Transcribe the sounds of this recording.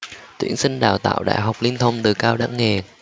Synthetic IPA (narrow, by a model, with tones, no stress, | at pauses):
t̪wḭ˧˩ənsï˧ŋ̟ɗaː˨˩wt̪a̰ː˧˨wɗa̰ː˧˨jɦɔ˨˩wk͡p̚li˧ənt̪ʰə˧wŋ͡mt̪ɨ˨˩kaː˧wɗa̰ː˧˥ŋŋe˨˩